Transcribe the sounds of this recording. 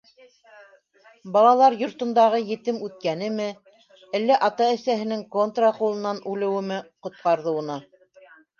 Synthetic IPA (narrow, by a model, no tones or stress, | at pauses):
bɑlˠɑlˠɑɾjŏɾt̪ŏnd̪ɑʁɤjɘ̆t̪ɘmʉt̪̚kænɘ̆mɘ | ælːæʔɑt̪ɑɘ̆sæɦɘ̆nɘŋkont̪raqulˠɤ̆nɑnʔʉlɘ̆wɘ̆mɘqŏt̪̚qɑɾðɤ̆w̆nɑ